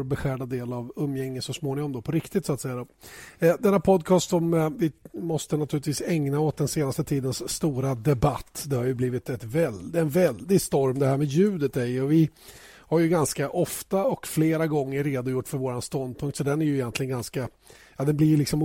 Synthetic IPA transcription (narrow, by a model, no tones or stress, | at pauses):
ɾbɛɧæːɖad̪eːlavɵmːjɛŋːət̪sɔsmoːnɪŋɔmd̪ɔpʰɔɾɪkt̪ɪt̪sɔat̪sɛjːad̪o | d̪ɛnːapʰɔd̪kʰɑːst̪ɔmvɪmɔst̪ənat̪ʰʉ̟ɾlɪt̪viːsɛŋnaoːt̪̚d̪ɛnseːnast̪ət̪ʰiːd̪ənsːt̪uːɾad̪ɛbat̪ːd̪ɛhaɾjɵbliːvɪt̪ɛt̪vɛlɛɛnvɛld̪ɪɡst̪ɔɾmd̪ɛhæːɾmɛːd̪jʉ̟ːd̪ət̪d̪ɛɪɔvɪ | haɾjɵɡanskaʔɔft̪aɔkfleːɾaɡɔŋːəɾɾeːd̪ʊjʊʈːfœɾvoːɾanst̪ɔnd̪̚pʰɵŋkt̪sɔd̪ɛnːæɾjɵɪjɛnt̪lɪɡənɡanska | jɑːd̪ɛnblɪlɪksɔm